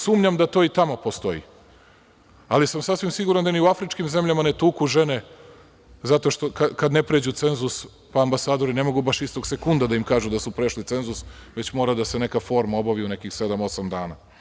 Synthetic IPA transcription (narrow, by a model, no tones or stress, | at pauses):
suːmɲamd̪at̪o̞ːit̪amopo̞st̪o̞ḭ | alisamsasʋimsiɡuɾand̪aniuafɾit͡ʃkimze̞mʎamanet̪uːkuʒene | zat̪o̞ʃt̪o̞kakad̪ne̞pɾeːd͡ʑut̪se̞nzus | paːmbasaːd̪o̞ɾine̞mo̞ɡubaʃist̪o̞ɡse̞kund̪ad̪aimkaːʒud̪asupɾeʃlit̪e̞nzusʋe̞t͡ɕmo̞ːɾad̪ase̞ne̞kafo̞ːɾmao̞baʋiune̞kixse̞d̪amo̞samd̪aːna̰